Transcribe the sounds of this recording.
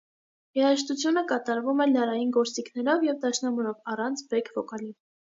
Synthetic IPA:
jɛɾəʃ̬t̪ut͡sʰjunəkɑt̪ɑɾvumɛləɾɑjinɡɔɾt͡sikʰnɛɾɔvjɛvd̪ɑʃnɑmɔɾɔvɑrɑnt͡sʰbɛkʰvɔkɑlin

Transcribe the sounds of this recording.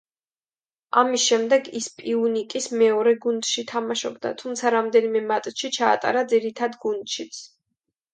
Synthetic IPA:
amisʃɛmd̪ɛɡispʼiunikʼismɛɔɾɛɡund̪ʃit̪ʰamaʃɔbd̪a̰t̪ʰumt̪sʰaɾamd̪ɛnimɛmat̪ʼʃit͡ʃʰa̰ːt̪ʼa̰ɾad̪ziɾit̪ʰad̪ɡund̪ʃit̪sʰ

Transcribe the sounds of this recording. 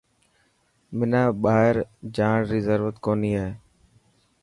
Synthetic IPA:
mɪnaːɓaːɪɾd͡ʒaːɳɾɪzəɾʋət̪koːniːaːeː

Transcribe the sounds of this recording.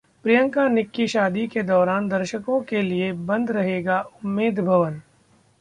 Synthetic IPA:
pɾɪjə̃ŋkanɪkːiʃaːd̪iked̪ɔːɾaːnd̪ɐɾʃəkõkeliebɐ̃nd̪ʱɾɐɦeːɡaʊmːeːd̪bʱɐʋən

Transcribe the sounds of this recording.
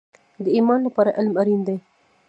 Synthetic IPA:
d̪əimɑnlapɑɾaʔɪlmaɾind̪aj

